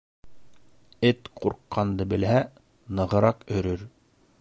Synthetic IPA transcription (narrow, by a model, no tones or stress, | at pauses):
ɘt̪quɾqːɑnd̪ɤbɘ̆lɦæ | nɤ̆ʁɤ̆ɾɑqɵ̆ɾɵɾ